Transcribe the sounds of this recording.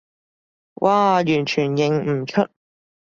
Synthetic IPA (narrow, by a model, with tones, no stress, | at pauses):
wʔaː˨jyː˨˩nt͡ʃʰyː˨˩njɪ˨ŋm̩˨˩t͡ʃʰɵ˥t̚